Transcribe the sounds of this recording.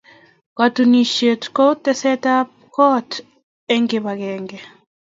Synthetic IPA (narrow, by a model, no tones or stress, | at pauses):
katuniʃetkɔtɛsɛtapkɔt | ɛŋɡeβaɣɛŋɡɛ